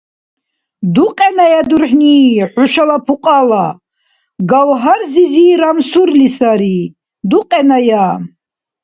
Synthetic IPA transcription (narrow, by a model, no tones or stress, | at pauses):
d̪uqʼɛnajad̪urħniħʊʃalapʰuqʼala | ɡawɦaɾziziːɾamsuɾlisaɾi | d̪uqʼɛnaja